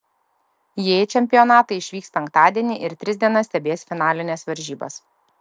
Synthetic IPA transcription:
jeːt͡ʃʲɛmʲpʲɪjɔnɑːt̪ɐɪɪʃʲʋʲiːkspʲɛŋk̚t̪ɑːd̪ʲiɛnʲiʔɪɾt̪ʲɾʲɪzʲd̪ʲiɛnɐsʲt̪ʲɛbʲeːsfʲɪnɑːlʲɪnʲɛsʋɐɾʲʒʲiːbɐ̰s

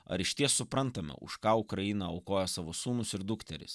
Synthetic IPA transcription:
ɐ̰ɾɪʃt̪ʲiɛssʊpɾɐnt̪ɐmʲɛ̰ʊ̰ʃkɑːʊkɾɐjiːnɐɐʊkoːjɛsɑːʋoːsuːmʊsɪɾd̪ʊkt̪ʲɛɾʲɪ̰s

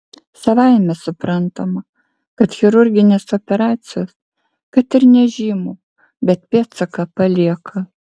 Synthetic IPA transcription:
sɐʋɐɪmʲɛsʊpɾɐnt̪omɐ | kɐt̪xʲɪɾʊɾʲɡʲɪnʲeːsoːpʲɛɾɑːt̪sʲɪjoːs | kɐt̪ɪɾnʲɛʒʲiːmoː | bʲɛt̪pʲeːt̪sɐkɐpɐlʲiɛkʰɐ

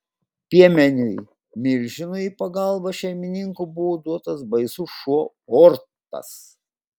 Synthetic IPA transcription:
pʲiɛmʲɛnʲʊj | mʲɪɾʲʒʲɪnʊipɐɡɑˑlˠbɐʃʲɛɪmʲɪnʲɪŋkʊbʊʋoːd̪uɔt̪ɐsbɐɪsuʃuɔ | ɔɾt̪ɐ̰s

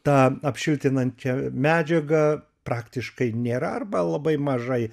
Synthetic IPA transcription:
t̪ɑːɐpʲʃʲɪlʲt̪ʲɪnɐnʲt͡ʃʲɛmʲæːd͡ʒʲɛɡɐ | pɾɑːkt̪ʲɪʃkɐɪnʲeːɾɐɐrbɐlˠɐbɐɪmɐʒɐɪ

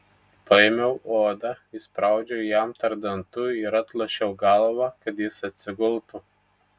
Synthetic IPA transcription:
pɐɪmʲɛʊoːd̪ɑɪspɾɑˑʊd͡ʒʲɛjæmt̪ɐɾd̪ɐnt̪ʊɪɾɐt̪lˠɐʃʲɛʊɡɐlˠʋɐkɐt̪jɪsɐt̪ʲsʲɪɡʊlˠt̪u

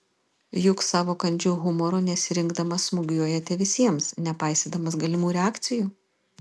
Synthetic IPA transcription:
jʊksɑːʋoːkɐnʲd͡ʒʲuːɣʊmɔɾoːnʲɛsʲɪɾʲɪŋɡd̪ɐmɐsmʊɡʲjuɔjɛt̪ʲɛʋʲɪsʲiɛmsnʲɛpɐɪsʲeːd̪ɐmɐs̬ɡɐlʲɪmuːɾʲɛæːkt̪sʲɪjuː

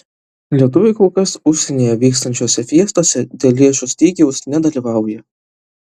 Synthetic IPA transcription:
lʲiɛt̪̬ʊʋʲɪɪkʊlkɐsʊʃʲsʲɛnʲeːjɛʋʲiːkst̪ɐnʲt͡ʃʲoːsʲɛfʲiɛst̪oːsʲɛd̪ʲeːlʲlʲeɛʃʊsʲt̪ʲiːɡʲɪʊsnʲɛd̪ɐlʲiːʋɑˑʊjɛ

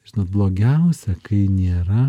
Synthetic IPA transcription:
ʒʲɪnoːt̪̚blˠoːɡʲɛʊsʲɛkɐɪnʲeːɾɐ

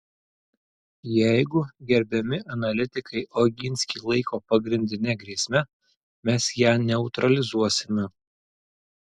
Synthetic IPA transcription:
jæɪɡʊɡʲɛɾʲbʲɛmʲɪʔɐnɐlʲɪt̪ʲɪkɐɪʔoːɡʲɪnʲsʲkʲiːlˠɐɪkoːpɐɡɾʲɪnʲd̪ʲɪnʲɛɡɾʲiɛːsʲmʲɛ | mʲɛsjæːnʲɛʊt̪ɾɐlʲɪzuɔsʲɪmʲɛ

